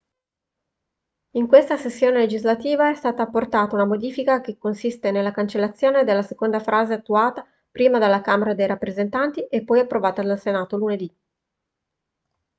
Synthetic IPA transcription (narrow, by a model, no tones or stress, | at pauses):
iŋkwest̪asesːjoːneled͡ʒizlat̪iːvaɛst̪aːt̪aːpːort̪aːt̪aunamod̪iːfikak̟ekːonsist̪enelːakant͡ʃelːat̪sːjoːned̪elːasekond̪afɾʔaːzeat̪ːuaːt̪a | pɾiːmad̪elːakaːmeɾad̪ejɾapːɾezent̪ant̪iʔepːɔjapːɾovaːt̪ad̪alsenaːt̪oluned̪i